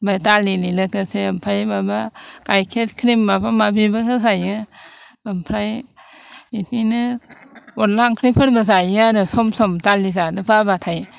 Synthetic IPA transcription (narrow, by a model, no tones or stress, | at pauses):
bajtalililɯkɯseampʰɾajbabakajkʰet̚kʰɾimbabamabibɯkazajɯ | ampʰɾaj | ininɯ | otlaŋkʰɾipʰɯɾbazajanɯsɔmsɔmtalizanɯpabatʰaj